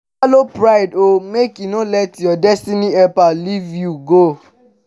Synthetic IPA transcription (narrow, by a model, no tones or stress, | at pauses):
alopɾaɪdomekjunolɛtjɔdɛstiniɛpalivjuɡo